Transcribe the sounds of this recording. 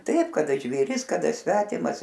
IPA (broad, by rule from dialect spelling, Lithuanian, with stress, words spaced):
ˈtɐɪp kɐˈdɐ ʒʲʋʲeːˈrʲɪs kɐˈdɐ ˈsʲʋʲæːtʲɪmɐs